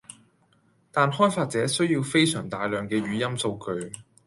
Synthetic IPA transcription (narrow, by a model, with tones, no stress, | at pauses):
t̪aː˨nɦɔː˥jfaː˧t̚t͡sɛː˨˥sɵ˥ɥjiː˧wfe˥jsœː˨˩ŋt̪aː˨jlœː˨ŋkɛː˧ɥyː˨˥jɐ˥mso˧wkɵ˧ɥ